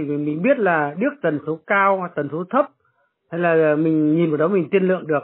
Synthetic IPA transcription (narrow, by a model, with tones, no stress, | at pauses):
mï˨˩ŋ̟ɓi˦˥ət̚laː˨˩ɗɨ˦˥ək̚t̪ə˨˩nso˨˦kaː˧wt̪ə˨˩nso˨˦t̪ʰə˦˥p̚ | ha˧jlaː˨˩˨mï˨˩ŋ̟ɲi˨˩nvɨ˨˩ɗə˨˦mï˨˩ŋ̟t̪i˧ənlɨ̰˧˨əŋɗɨ˨˩ək̚